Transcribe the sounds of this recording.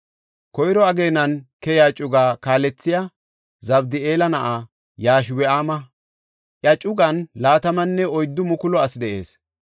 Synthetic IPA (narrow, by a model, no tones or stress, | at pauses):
kɔjɾɔɐɡeːnɐnkɛjaːt͡ʃʼʊɡaːkaːlɛt͡sːɪja | zɐbd̪ɪeːlɐnɐʔa | jaːʃwɛaːmɐ | ʔjɐt͡ʃʼʊɡɐnlaːt̪ɐmɐnːɛɔjd̪ːʊmʊkʊlɔɐsd̪ɛʔe̞̰ːs